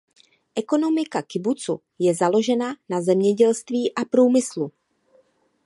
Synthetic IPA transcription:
ʔɛko̞no̞mɪkakɪbut͡sṵ | jɛzalo̞ʒɛnanazɛmɲɛɟɛlst̪viːʔapɾuːmɪslu

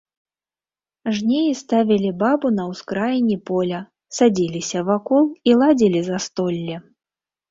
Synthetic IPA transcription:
ʐnʲejist̪avʲilʲibabunɐwskɾajinʲipɔlʲɐ | sad͡zʲilʲisʲɐvakɔlˠilˠad͡zʲilʲizɐst̪ɔlʲːɛ

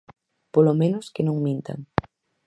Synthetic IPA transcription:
polomẽnʊskenõŋmĩnt̪a̰ŋ

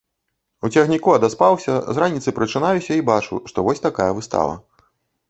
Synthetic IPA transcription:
ut͡sʲɐxnʲikuɐd̪aspawsʲɐ̰zɾanʲit̪sɨpɾɨt͡ʂɨnajusʲɐibat͡ʂṵʂt̪ɔvɔsʲt̪akajɐvɨst̪a̰vɐ̰

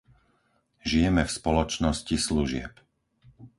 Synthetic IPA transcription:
ʒijɛmɛfspɔlɔt͡ʃnɔscisluʒɪɛ̰p

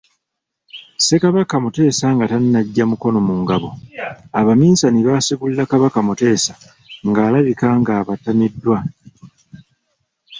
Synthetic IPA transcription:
se̞kaβakamute̞ːsaŋɡatannaɟːamuko̞no̞muŋɡaβo̞aβamiːnsaniβasiβullakaβakamute̞ːsḁ | ŋɡaːlaβikaːŋɡaːβatamidːwa

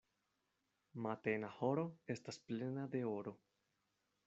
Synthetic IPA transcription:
matenaho̞ɾo̞e̞stasple̞nade̞oɾo̞

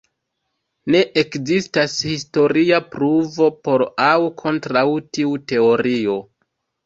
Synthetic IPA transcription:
ne̞ʔekzistashisto̞ɾiapɾuvo̞po̞ɾawkʰo̞ntɾawtiute̞o̞ɾio̞

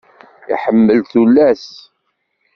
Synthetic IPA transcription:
ḭħəmːəlθulːæs

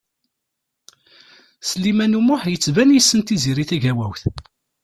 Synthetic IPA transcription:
səlimænumʊħjət͡sːvænjəsːənt̪iziɾiθæʝæwæwθ

